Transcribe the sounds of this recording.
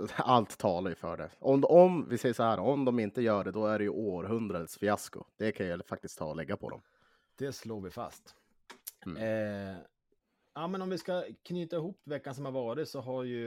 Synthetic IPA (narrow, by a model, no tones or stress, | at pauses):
alt̪ʰːɑːlaɾjɵfœ̰ːɖɛ̰ɔmɔmvɪsɛjːəʂɔhæːɾɔmd̪ɔmɪnt̪əjœːɖɛd̪ɔæɖɛjɵʔoːɾɦɵnd̪ɾad̪ət̪sfɪaskʊ̰d̪̥ɛkʰanjɛfak̚t̪ɪskt̪ʰːɑ̰ːɔlɛɡːapʰɔ̰d̪ɔ̰m | d̪̥ɛsloːɾvɪfa̰st̪ | jaːmɛnɔmvɪskakʰnyːt̪aɪhuːpːvɛkːans̬ɔmhaɾvɑːɾɪt̪sɔɦaɾjɵ